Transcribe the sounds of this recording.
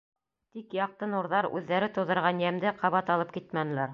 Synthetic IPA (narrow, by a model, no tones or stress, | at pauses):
t̪ikjɑq̚t̪ɤnuɾðɑɾʉðːæɾɘt̪ŏwðɤ̆ɾʁɑnjæmd̪ɘqɑβɑt̪ɑlˠɤp̚kit̪̚mænɘ̆læɾ